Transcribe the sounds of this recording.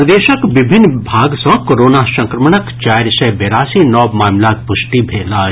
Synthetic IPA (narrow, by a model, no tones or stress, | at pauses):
d̪eːʃəɐkʋɪbʱɪnːbʱaːɡsɔ̃koːɾoːnaːsɐ̃ŋkɾəməɳɐkt͡ʃaːɾsɐbeɾaːsiːnɔːmaːmlaːk̚pʊʃʈibʱeːlaː